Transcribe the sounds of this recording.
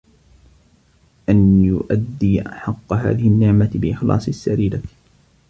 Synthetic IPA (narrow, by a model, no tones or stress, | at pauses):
ʔanjʊʔad̪ːiːʔaħɑqːɑɦa̰ːðɪhɪnːɪʕmabɪʔɪxlɑ̰ːsˤɪsːaɾiːla